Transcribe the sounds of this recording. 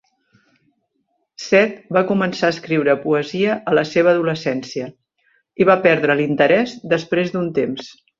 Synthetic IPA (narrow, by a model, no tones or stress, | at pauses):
sɛt̪bakumənsaəskɾiwɾəpuəziəʔələseβ̞əːðuləsɛnsiə | iβapɛɾðɾəlint̪əɾɛzd̪əspɾezd̪unt̪ems